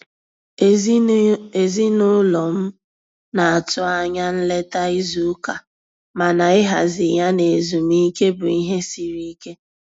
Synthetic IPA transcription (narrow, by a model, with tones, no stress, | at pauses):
e˨zi˦nʊ˦lɔ˨m̩˦ | na˨a˨tʊ˦a˦ɲa˦n̩˦le˦ta˦i˦zu˨˦ka˨ | ma˨na˨ɪ˦ɦa̰˨zɪ˨ja˦ne˨zu˨m˦i˦ke˦bʊ˨i˦ɦe˦si˨ɾi˦i˦ke˦